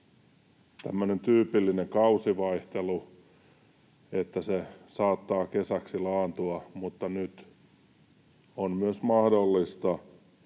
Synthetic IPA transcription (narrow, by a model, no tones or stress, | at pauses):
t̪æ̰mːønent̪yːpilːineŋkɑusiʋɑiht̪elu | et̪ːæsesɑːt̪ːɑːkesæksilɑːnt̪uɑmut̪ːɑnyt̪ | onmyøsmɑhdolːist̪ɑ